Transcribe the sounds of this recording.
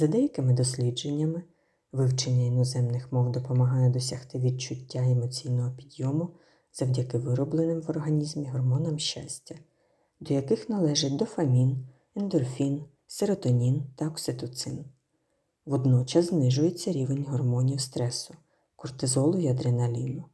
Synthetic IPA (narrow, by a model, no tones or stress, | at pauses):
z̥ɐd̪ɛjɐkɪmɪd̪ɔsʲlʲid͡ʒe̞nʲːɐmɪ | ʋɪwt͡ʃenʲːɐinɔzɛmnɪxmɔwd̪ɔpɔmɐɦɑjɛd̪ɔsʲɐxt̪ɪʋʲid̪̚t͡ʃʊtʲːaɛmɔt͡sʲijnɔɦɔpʲid̪jɔmʊ | z̥ɐwdʲɐkɪʋɪɾɔblˠenɪmʋɔrɦɐnʲizmʲiɦɔrmɔnɐmʃt͡ʃa̰sʲtʲɐ | d̪ɔjɐkɪxnɐlˠɛʒɪt̚ʲd̪ɔfɐmʲin | ɛnd̪ɔrfʲin | seɾɔt̪ɔnʲint̪ɐɔksɪt̪ɔt̪sɪn | ʋɔd̪nɔt͡ʃɐzznɪʒʊjet͡sʲːɐɾʲiʋe̞nʲɦɔrmɔnʲiwst̪ɾɛsʊ̥ | kʊrt̪ɪzɔlˠʊiɐd̪ɾenɐlʲinʊ